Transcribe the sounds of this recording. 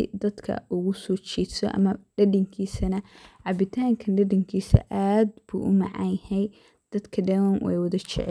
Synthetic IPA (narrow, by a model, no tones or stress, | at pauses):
ɪ̰d̪ɐd̪kʰɐ̰ʔʊɣʊsɔːt͡ʃiːd̪sɔ̰ʔɐ̰mɐɖɐɖɪŋkʰiːsɐnɐʕɑbɪt̪ʰaːŋkʰɐnɖɐɖɪŋkʰiːsɐ̰ʔaːd̪̚b̥ṵːʔʊmɑ̰ʕɑ̰jhɛj | d̪̥ɐd̪kʰɐɖɛwɐnwɛ̰jwɐðɐt͡ʃɪ̰ʕ